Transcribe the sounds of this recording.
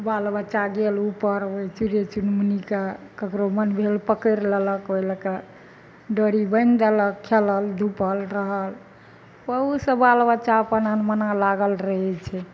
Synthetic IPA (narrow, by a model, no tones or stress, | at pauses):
balbət͡ʃaɡelupəɾbəjt͡ʃuɾet͡ʃunmnikakəkɾomənbʱelpəkəɾlələkəjləkə | ɖəɾibəjnd̪ələkʰːeləld̪ʱupəlɾəɦəl | pəɦusə̃balbət͡ʃapənanmənalaɡəlɾəɦɛt͡ʃʰɛ